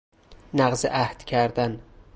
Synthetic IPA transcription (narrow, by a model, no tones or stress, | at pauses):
næɣzeʔæhd̪̥cʲʰæɾd̪æn